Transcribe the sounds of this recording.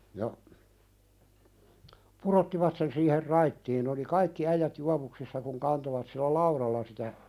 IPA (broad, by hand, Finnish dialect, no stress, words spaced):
jɑ purotːiʋɑt sen siːher rɑitːiːn n oli kɑikːi æijæt juɑʋuksisːɑ kuŋ kɑntoʋɑt silːæ lɑuɾɑlːɑ sitæ